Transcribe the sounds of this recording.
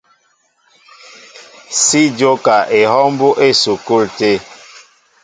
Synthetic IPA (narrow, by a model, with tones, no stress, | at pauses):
si˦d͡ʒo˦ka˨ʔe˨hɔ˦mbu˦ʔe˦˨su˨ku˦˨lte˦